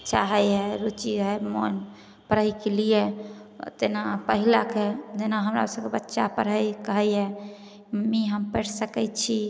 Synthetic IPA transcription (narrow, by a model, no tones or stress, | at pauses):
t͡ʃaɦɛjɦɛɾut͡ʃiɦemo̰n | pəɾəjkelijet̪enapəɦilaked͡ʒenaɦəmɾa̰səbkebətːʃapəɾɦəjkəɦəjɦɛ | miɦəmpəʈʰsəkɛt͡ʃʰi